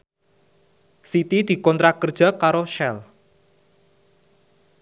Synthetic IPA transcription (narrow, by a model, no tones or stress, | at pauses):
sit̪id̪̥i̤kɔnt̪ɾakərd̥ʒ̥a̤kaɾoʃɛl